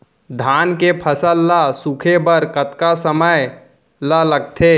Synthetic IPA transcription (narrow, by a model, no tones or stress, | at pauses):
d̪ʱaːnkepʰəsəlːəsukʰebəɾkət̪kasəməj | lələɡ̚t̪ʰe